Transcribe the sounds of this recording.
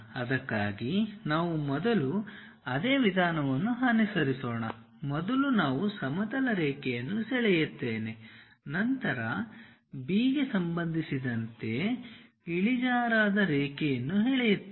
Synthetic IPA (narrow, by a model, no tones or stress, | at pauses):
ɐd̪ɐkːa̰ːɡinaːʋumɔd̪ɐlu | ɐd̪e̞ːʋid̪ʱaːnɐʋɐnːuɦaːnisɐɾisoːɳɐ | mɔd̪ɐlunaːʋusɐmɐd̪ɐlɐɾɛːkɛjɐnːusɛɭɛjut̪ːeːne̞ | nɐnt̪ɐɾɐ | biːɡesɐmbɐnd̪ʱisid̪ɐnt̪e̞ | iɭid͡ʒaːɾaːd̪ɐɾeːkɛjɐnːuɦeɛːɭɛjut̪ː